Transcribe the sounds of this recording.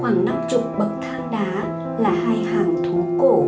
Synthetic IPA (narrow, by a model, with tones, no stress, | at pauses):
xwaː˧˩ŋna˧mt͡ɕʊ˨˩k͡p̚ɓə˨˩k̚t̪ʰaː˧ŋɗaː˨˦ | laː˨˩haː˧jhaː˨˩ŋt̪ʰu˨˦ko̰˧˩